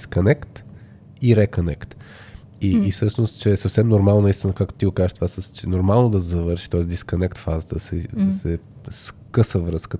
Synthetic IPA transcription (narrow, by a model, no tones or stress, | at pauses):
skonɛkt̪ | iɾɛkonɛkt̪ | iːfsɤʃnost̪t͡ʃɛːsəfsɛmnoɾmalˠnonist̪ʲinəkak̪t̪iɡʊkazəʃt̪ovasəst͡ʃɛnoɾmalˠnod̪ɐszɐvɤɾʃi̥t̪ɔɛsd̪iskonɛkt̪fazət̪sɛd̪ɐsɛ | skɤsəvɾəskə